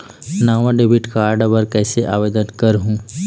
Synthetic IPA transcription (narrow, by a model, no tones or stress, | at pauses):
naːʋãɖebiʈkaːɾɖbəɾkɛːseʔaːʋed̪ənkəɾɦũː